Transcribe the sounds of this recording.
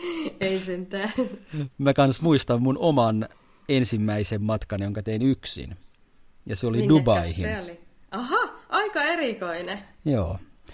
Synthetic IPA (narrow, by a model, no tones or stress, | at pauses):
eisent̪ænmækɑnsmuist̪ɑmːmunomɑn | ensimːæisemːɑt̪kɑnjoŋkɑt̪einyksḭn | jɑseolidubɑihioliɑhɑʔɑikɑerikoinejoː